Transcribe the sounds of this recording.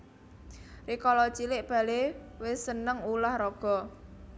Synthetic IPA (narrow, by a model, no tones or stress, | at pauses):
rikɔlɔt͡ʃilɪʔb̥a̤lewɪsənəŋulahrɔɡ̥ɔ̤